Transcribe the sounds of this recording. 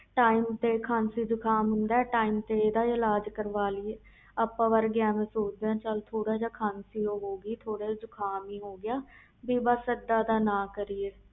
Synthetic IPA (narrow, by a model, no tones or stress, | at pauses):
ʈaːiːmt̪eːkʰãːnsiːd͡ʒʊkʰaːmɦʊ̃nd̪aːɛːʈaːiːmt̪eːeːd̪aːɪlaːd͡ʒkəɾʋaːliːe | əpãːʋəɾɡɪaːmẽːsoːd͡ʒd̪eãːt͡ʃəlt̪ʰoːɽaːd͡ʒaːkʰaːnsiːoːɦoːɡiːt̪ʰoːɽeːd͡ʒʊkʰaːmiːɦoːɡɪjaː | biːbasəd̪aːd̪aːnãːkəɾieː